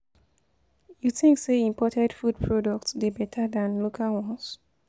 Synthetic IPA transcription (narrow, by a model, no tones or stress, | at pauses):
juθĩŋkseĩmpɔtɛdfud̚pʰɹɔdɔk̚tsbibɛtʰadãnlokʰalwɔ̃ns